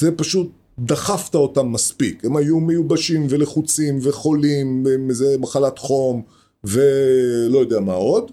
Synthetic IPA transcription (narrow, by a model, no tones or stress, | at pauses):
zepaʃut̪̚ | d̪aχaft̪aotamːaspikemajumejubaʃimve̞leχut͡simveχo̞limbemezemaχalat̪χo̞m | ve̞lo̞jo̞d̪eamao̞d̪